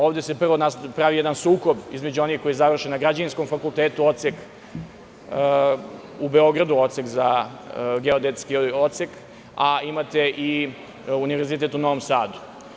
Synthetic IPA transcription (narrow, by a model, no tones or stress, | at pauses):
oːʋd̪e̞se̞pr̩ʋonaspɾaʋijɛd̪ansuːko̞bizme̞d͡ʑuo̞nixko̞jizaʋr̩ʃenaɡɾad͡ʑaninsko̞mfakulˠt̪eːt̪uo̞t̪sek | ubeo̞ɡɾad̪uo̞t̪sekza | ɡeod̪et̪skiot̪sek | aimat̪eʔi | uniʋeɾzit̪et̪uno̞ʋomsaːd̪u̥